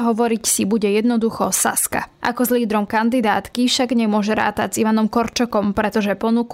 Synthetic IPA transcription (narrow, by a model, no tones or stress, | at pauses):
ɦɔʋɔɾicsibuɟɛjɛd̪nɔd̪uxɔsa̰ska̰ʔa̰kɔzliːd̪ɾɔmkand̪id̪aːt̪kifʃaɡɲɛmʊɔʒɛɾa̰ːt̪aziʋanɔmkɔɾt͡ʃɔkɔmpɾɛt̪ɔʒɛpɔnuk